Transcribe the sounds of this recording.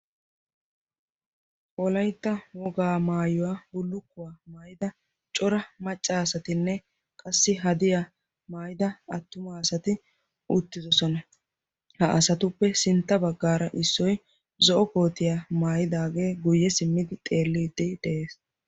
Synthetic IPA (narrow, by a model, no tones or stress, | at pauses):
ʔɔlɐjt̪ːɐwɔɡaːmaːjɔwaːbʊlːʊkːʊwaːmaːjɪd̪ɐ | t͡ʃʼɔɾɐmɐt͡ʃʼːaːsɐt̪ɪnːɛ | kʼɐsːɪɦɐd̪ɪja | maːjɪd̪ɐɐt̪ːʊmaːsɐt̪ɪ | ʔʊt̪ːɪzɔsɔnɐ | hɐʔɐsɐt̪ʊpːɛsɪnt̪ːɐbɐɡːaːɾɐʔɪsːɔj | zɔʔɔko̞ːt̪ɪjaːmaːjɪd̪aːɡe̞ːɡʊjːɛsɪmːɪd̪ɪt̪ʼe̞ːlːiːd̪ɪd̪ɛʔe̞ːs